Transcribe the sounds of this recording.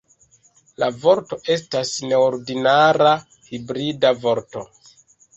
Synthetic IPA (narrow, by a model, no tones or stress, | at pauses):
lavo̞ɾto̞ʔe̞s̬tasne̞oɾdinaɾa | hibɾidavo̞ɾto̞